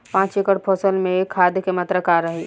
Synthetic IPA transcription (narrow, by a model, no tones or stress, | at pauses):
pãːt͡ʃekəɽpʰɔsəlmẽekʰːad̪ʱjəkemət̪ɾəkaɾəɦi